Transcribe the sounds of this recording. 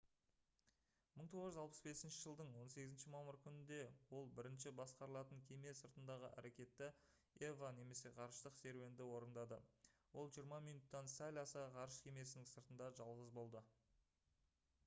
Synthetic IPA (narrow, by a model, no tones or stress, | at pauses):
məɴt̪ʰo̞ʁəʒʏzɑlˠpə̥sbe̞sɪnʃɪʒəlˠd̪əɴwo̞nseɡʲɪzɪnʃɪmɑməɾkʲʰʏnɪnd̪e̞wo̞lˠbɪɾɪnʃɪbɑsqɑɾəlˠɑt̪əŋkʲʰe̞me̞səɾt̪ənd̪ɑʁəʔæ̰ɾe̞kʲe̞t̪ːɪ | evane̞me̞se̞qʰɑɾəʃt̪əqse̞ɾwe̞nd̪ɪwo̞ɾənd̪ɑd̪əwo̞lˠʒijəɾmɑmijnut̪ːɑnsælʲɑsəqʰɑɾəʃkʲʰeme̞sɪnɪŋsəɾt̪ənd̪ɑʒɑlˠʁəzbo̞lˠd̪ə